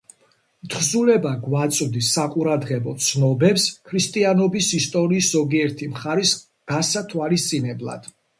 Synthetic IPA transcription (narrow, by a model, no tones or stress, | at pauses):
mt̪ʰχzulɛbaɡwat̪sʼvd̪isːaqʼuɾad̪ʁɛbɔt̪sʰnɔbɛpskʰɾist̪ʼianɔbisist̪ʼɔɾiːszɔɡiɛɾt̪ʰimχaɾis | ɡ̥asat̪ʰwalist̪sʼinɛblˠa̰d̪̥